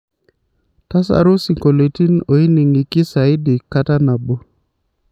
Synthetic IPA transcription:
ta˦sa̰˨ɾʊ˦si˨ŋko˨le˨ti˦no˨i˦ni˨ŋi˨ki˦sa˨ɪ˦di˨kːa˦ta˦na˨bo˦

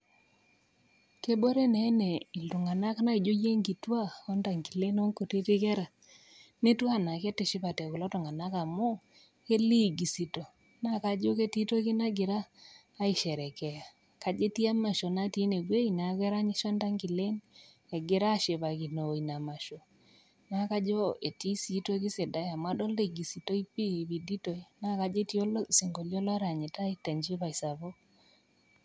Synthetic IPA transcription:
ke˦bo˦ɾe˦nɛ˨˦nɛ˨i˨ldu˨ŋa˨na˦kna˦i˨d͡ʒo˦je˦ŋɡi˨twa˦ɔ˦nda˨ŋɡi˨le˦nɔ˦ŋko˨ti˦tɪ˦kɛ˦ɾa˨ | ne˦twa˦˨na˨kɛ˦tɪ˨ʃɪ˦pa˨tɛ˨ku˨lɔ˦tɔ˨ŋa˨na˦ka˨mo˦ | ke˦li˦˨ɡi˨si˨to˨ | na˦ka˨d͡ʒo˦ke˦ti˦to˦kɪ˦na˦ɡɪ˨ɾaː˦ | ɪ˦˨ʃɛ˨ɾɛ˨kɛ˨ja˨ | ka˨d͡ʒe˦ti˦a˦ma˨ʃo˨na˦ti˦ne˨bwe˦i˨na˨˦ɣɛ˦ɾa˦ɲi˦ʃa˦nda˦ŋɡɪ˨le˦n | e˨ɡɪ˨˦ɾa˦ʃe˨βa˨ki˨no˨i˨na˨ma˨ʃo˨ | na˨˦ka˦d͡ʒo˦e˨ti˦si˦to˦kɪ˦se˨da˦ja˨mwa˦dɔ˦le˨ɡi˨si˨to˦i˦pi˦˨βi˨di˦to˨i˨na˦ka˨d͡ʒe˦ti˦o˦lsi˨ŋɡo˨ljɔ˦lɾa˨ɲe˨ta˦i˦ta˨ɲd͡ʒi˦βa˨i˨sa˨βo˦

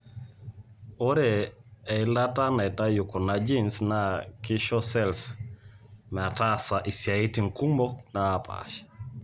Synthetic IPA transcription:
o˦ɾe˨ɛ˨la˦ta˦na˨ta˦jʊ˨ko˨nad͡ʒi˦nsna˦kɪ˦ʃɔ˦sɛls | mɛ˨a˨tasa˨ʔi˨sja˨i˦ti˨ŋku˦mbonaː˨pʰa̰ʃ

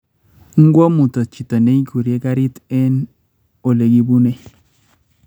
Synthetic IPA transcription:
ŋ̩˦ɡwɔ˦mu˨tɔ˨t͡ʃi˨ta˨ne˦i˦ku˨ɾje˦ka˦ɾi˦tɛ˦n | o˨le˨ɡi˦bu˦ne˦

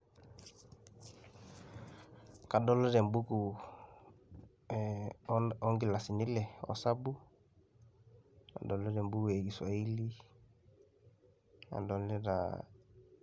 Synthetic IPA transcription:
ka˨dɔ˦lɔ˦ɾɛ˨mbu˦ku˨ | ɔ˦ŋɡi˦˨la˨si˨ni˦lɛ˨ɔ̰˨sa˦bu˦ | a̰˨dɔ˨lɔ˦ɾɛ˨mbu˦ku˨ɛ˨ɡi˨swa˨i˦li˦ | a̰˨dɔ˨lɛ˦ɾa̰˨

